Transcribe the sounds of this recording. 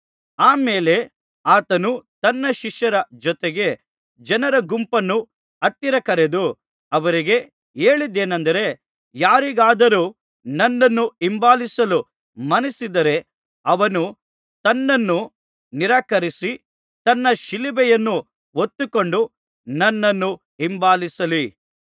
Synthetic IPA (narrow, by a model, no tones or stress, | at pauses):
aːmeːle̞ | aːt̪ɐnut̪ɐnːɐʃiʃjɐɾɐd͡ʒɔt̪eɡe̞ | d͡ʒɐnɐɾɐɡumpɐnːu | ɐt̪ːiɾɐkɐɾed̪u | ɐʋɐɾiɡe̞ | e̞ːɭid̪ːeːnɐnd̪ɐɾe̞ | jaːɾiɡaːd̪ɐɾuː | nɐnːɐnːuimbaːlisɐlu | mɐnisid̪ɐɾe̞ | ɐʋɐnu | t̪ɐnːɐnːu | niɾaːkɐɾisi | t̪ɐnːɐʃilibɛjɐnːu | ot̪ːuko̞ɳɖu | nɐnːɐnːu | imbaːlisɐli